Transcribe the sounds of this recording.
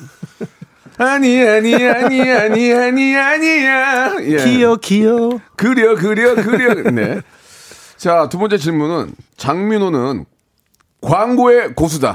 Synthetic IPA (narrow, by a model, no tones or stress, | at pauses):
aɲiaɲiaɲiaɲiaɲiaɲijajejokijokɯɾjʌk̬ɯɾjʌkɯɾjʌnḛ | t͡ɕatubʌnt͡ɕ͈e̞t͡ɕiɭmunɯnt͡ɕaŋminonɯn | kwaŋɡoe̞kosʰuda̰